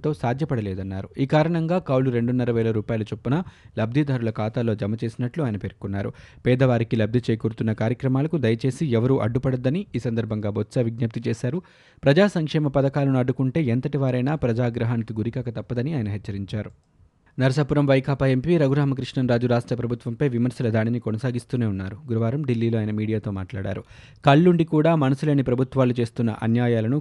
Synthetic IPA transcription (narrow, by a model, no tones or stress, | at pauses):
t̪o̞ːsaːd̪ʱjɐpɐɽɐlɛːd̪ɐnːaːɾuiːkaːɾɐɳɐŋɡaːkɐwluɾe̞ɳɖunːɐɾɐʋɛːlɐɾuːpaːjɐlut͡ʃepːunaːlɐb̚d̪ʱid̪aːɾulɐkaːt̪aːlo̞ːd͡ʒɐmɐt͡ʃe̞ːsinɐʈluaːjɐnɐpeɾkunːaːɾṵpɛːd̪ɐʋaːɾikilɐb̚d̪ʱit͡ʃeːjkuːɾut̪unːɐkaːɾjɐkɾɐmaːlɐkud̪ɐjɐt͡ʃe̞ːsiɛʋɐɾuʔɐ̰ɖːupɐɽɐd̪ːɐniiːsɐnd̪ɐɾbʱɐŋɡaːbʱot̪sɐʋiɡnɐp̚t̪it͡ʃɛːsaːɾu | pɾɐd͡ʒaːsɐŋkʂɛːmɐpɐd̪ɐkaːlɐnuɐɖːukuɳʈe̞ːent̪ɐʈiʋaːɾɐjnaːpɾɐd͡ʒaːɡɾɐɦaːnikiɡuɾikaːkɐt̪ɐpːɐd̪ɐniaːjɐnɐɦɛt͡ʃːɐɾiɲt͡ʃaːɾu | nɐɾɐsapuɾɐmʋɐjkʰaːpaempiːɾɐɡuɾaːmɐkɾiʂɳɐnɾaːd͡ʒuɾaːʂʈɾɐpɾɐbʱut̪ʋɐmpɐjʋimɐɾsɐlɐd̪aːɽinikonɐsaːɡist̪uːne̞ːunːaːɾuɡuɾɐʋaːɾɐmɖilːiːloːjɐnɐmiːɽijaːt̪o̞ːma̰ːʈla̰ːɽa̰ːɾu | kɐɭːuɳɖikuːɽaːmɐnɐsule̞ːnipɾɐbʱut̪ʋaːlut͡ʃe̞ːst̪unːɐ̰ʔɐ̰njaːjaːlɐnu